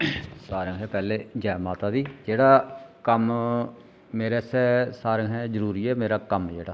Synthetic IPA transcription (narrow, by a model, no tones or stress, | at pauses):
saːɾəŋɦɛːpɛːleːd͡ʒɛːmaːt̪aːd̪iːd͡ʒeːɽaːkəm | meːɾeːsɛːsaːɾəŋɦɛːzəɾuːɾiːɛːmeːɾaːkəmd͡ʒḛːɽaː